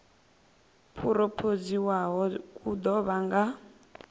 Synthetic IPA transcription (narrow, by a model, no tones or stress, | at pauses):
pʰuɾɔpʰod͡ziwaɦɔkʼud̪ɔβaŋɡa